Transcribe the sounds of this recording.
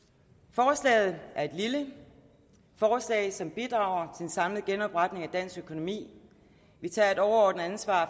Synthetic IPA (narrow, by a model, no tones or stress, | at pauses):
fɒːslɛ̰ːɪð̩ˠʔæɐe̝d̥lilə | fɒːslɛ̰ɪsɒ̽mb̥id̥ʁɑ̈ʊɐt͡sʰe̝ensɑ̈mlð̩ˠɡ̥enɒ̽b̥ʁɑ̈d̥ne̝ŋæd̥æn̰sɡ̥økʰo̝no̝mḭː | ʋit͡sʰɑ̰̈ːe̝ɾɒʊɐɒʊd̥n̩ænsʋɑ̰̈ː